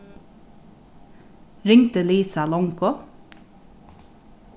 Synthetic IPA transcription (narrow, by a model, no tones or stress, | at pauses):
ɾɪŋt̪əliːsɑlɔŋkɔ